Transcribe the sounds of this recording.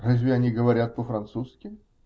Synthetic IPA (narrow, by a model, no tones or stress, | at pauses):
razʲvʲɪɐnʲiɡəvɐɾʲat̪̚pəfɾɐnt̪suskʲɪ